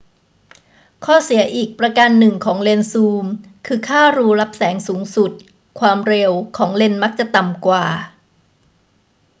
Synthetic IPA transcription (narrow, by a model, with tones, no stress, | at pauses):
kʰɔː˥˩si˩˦ɐʔiː˨˩k̚pɾa˧ka˧nːɯ˨˩ŋkʰɔː˩˦ŋle˧nsuː˧m | kʰɯː˧kʰaː˥˩ɾuː˧ɾa˦˥p̚sɛː˩˦ŋsuː˩˦ŋsu˨˩t̪̚ | kʰwaː˧mɾe˧wkʰɔː˩˦ŋle˧nma˦˥k̚t͡ɕa˨˩t̪a˨˩mkwaː˨˩